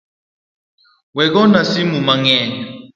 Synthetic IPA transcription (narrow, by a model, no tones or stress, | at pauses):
wɛk̬ɔnasimumaŋɛːnɛ